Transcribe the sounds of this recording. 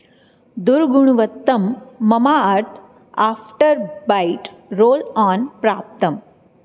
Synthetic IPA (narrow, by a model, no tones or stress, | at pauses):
d̪uɾɡuɳ̃ʋət̪ːɐmːɐmaaɾt̪ʰ | aːfʈəɾbaiʈɾoːlaːnpɾaːp̚t̪əm